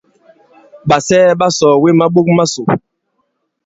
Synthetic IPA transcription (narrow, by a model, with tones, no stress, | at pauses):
ɓa˨sɛː˦ɓa˦sɔː˨we˦ma˦ɓo˦k̚ma˦so˨